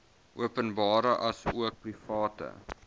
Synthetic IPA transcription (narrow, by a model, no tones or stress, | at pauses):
ʔuəpənbɑːɾəʔɐsuək̚prifɑːtə̰